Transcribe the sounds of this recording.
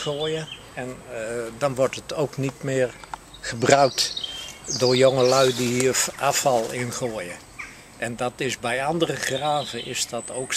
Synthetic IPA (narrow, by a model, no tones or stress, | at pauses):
oːjə | ɛndɑnʋɔɹtətowknitmɪːr | χəbrœɥk̚t | dʊːɹjoŋəlœɥdiɦiːrafɑlˠɪnχoəjə | ʔɛndɑtɪsbɛjɑndərəχraːvəʔɪsdɑtowk